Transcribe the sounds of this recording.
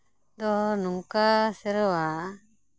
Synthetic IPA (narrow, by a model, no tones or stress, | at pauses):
d̪ɔnuŋkasɛɾɔwa